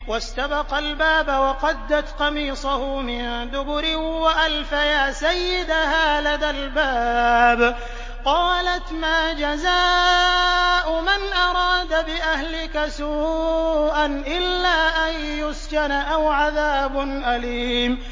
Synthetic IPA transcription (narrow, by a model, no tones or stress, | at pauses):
wast̪abɑqɑlbaːbawɑqɑd̪ːat̪qɑmiːsˤʊhʊmɪnd̪ʊbʊɾɪwaʔalfajaːsajːɪd̪aɦaːlaðalbaːb | qɑːlat̪maːd͡ʒazaː | ʔʊmanʔɑɾˤɑːd̪abɪʔahlɪkasuːʔanʔɪlːaːʔan | jʊskanaʔawʕaðaːbʊnʔaliːm